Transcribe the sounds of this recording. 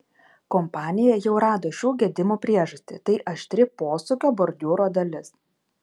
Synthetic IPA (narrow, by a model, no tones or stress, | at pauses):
kɔmpɑːnʲɪjɛjɛʊɾɑːd̪oːʃʲuːɡʲɛd̪ʲɪmuːpʲɾʲiɛʒɐsʲt̪ʲɪt̪ɐɪʔɐʃt̪ʲɾʲɪpoːsʊkʲoːbɔɾʲd̪ʲuːɾoːd̪ɐlʲɪs